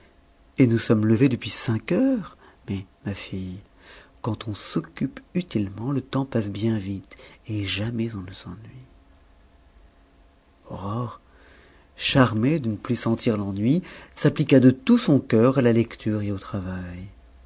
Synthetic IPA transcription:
enusɔmləved̪əpɥisɛ̃kœʁmɛmafij | kɑ̃t̪ʰɔ̃sɔkʲypyt̪ilmɑ̃lət̪ɑ̃pasbjɛ̃vit̪eʒamɛzɔ̃nəsɑ̃nɥi | ɔʁɔʁ | ʃaʁmed̪ənəplysɑ̃t̪iʁlɑ̃nɥisaplikad̪ət̪usɔ̃kœʁalalɛkt̪ʰyʁeot̪χavaj

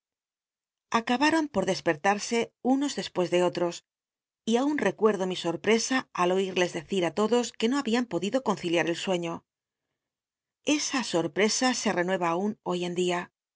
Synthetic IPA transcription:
akaβaɾo̞mpo̞ɾðe̞spe̞ɾt̪aɾse̞uno̞zðe̞spwe̞zðe̞o̞t̪ɾo̞s | iaunre̞kwe̞ɾðo̞miso̞ɾpɾe̞saalo̞iɾle̞zðe̞θiɾat̪o̞ðo̞ske̞no̞aβiampo̞ðiðo̞ko̞nθiljaɾe̞lswe̞ɲo̞ | e̞saso̞ɾpɾe̞sase̞re̞nwe̞βaːuno̞je̞nd̪ia

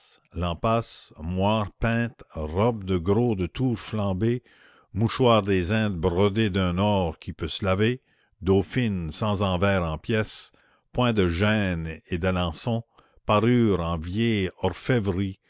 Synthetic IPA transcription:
lɑ̃pasmwaːʁpɛ̃ːt̪ʁɔb̚d̪əɡɾod̪ət̪ʰuːʁflɑ̃ːbe | muʃwaːʁd̪ezɛ̃ːd̪̚bʁəd̪ed̪œ̃nɔːʁkʲʰipøsəlave | d̪ofinsɑ̃zɑ̃vɛːʁɑ̃pjɛs | pwɛ̃d̪əʒɛned̪alɑ̃sɔ̃ | paʁyːʁɑ̃vjɛɔʁfɛvʁi

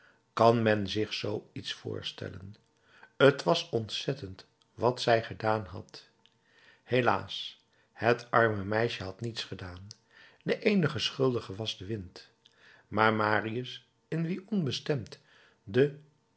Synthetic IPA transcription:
kɑnmɛnzɪχsowitsfʊ̰ːɹstɛ̰lə̰n | ətʋɑsɔntsɛtənt | ʋɑtsɛjχədaːnɦɑ̰t | hela̰ːs | hətʔɑɹməmɛjʃəɦɑtnitsχədaːn | dəʔejnəχəsχɵlˠdəχəʋɑzdəʋɪnt | maːɹmaːriəs | ɪnʋiʔɔnbəstɛmt | də

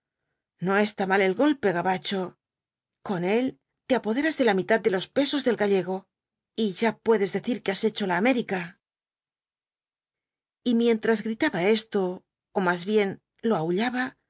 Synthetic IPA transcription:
no̞e̞st̪amale̞lɣo̞lpe̞ɣaβat͡ʃo̞ | ko̞ne̞l | t̪e̞apo̞ð̞e̞ɾazðe̞lamit̪at̪̚d̪e̞lo̞spe̞so̞zðe̞lɣaʎe̞ɣ̞o̞ | iʝapwe̞ðe̞zðe̞θiɾkease̞t͡ʃo̞laːme̞ɾika | imje̞nt̪ɾazɣɾit̪aβae̞st̪o̞ː | mazβje̞n | lo̞auʎaβa

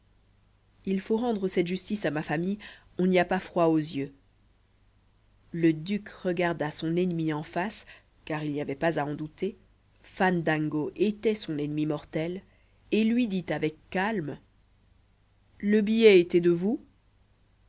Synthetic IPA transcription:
ilfoʁɑ̃d̪ʁəsɛt̪ʒyst̪isamafamij | ɔ̃niapafχwaozjø | ləd̪ykʁəɡaʁd̪asɔ̃nɛnmiɑ̃fas | kaʁilnijavɛpazaɑ̃d̪ut̪e | fand̪ãŋɡoʔet̪ɛsɔ̃nɛnmimɔʁt̪ɛl | elɥid̪it̪avɛkːalm | ləbijɛet̪ɛd̪əvu

